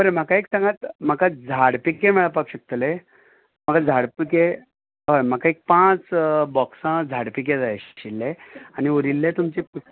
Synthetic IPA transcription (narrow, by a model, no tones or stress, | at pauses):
bəɾem̤akaeksãŋɡat̪m̤akad͡zʱaɽpikemɛɭapakɕək̚t̪le | m̤akad͡zʱaɽpike | ojm̤akãek̚pãt͡sbɔksãd͡zʱaɽpik̬ed͡zajɕilːeañiuɾilːẽt̪umt͡ɕipu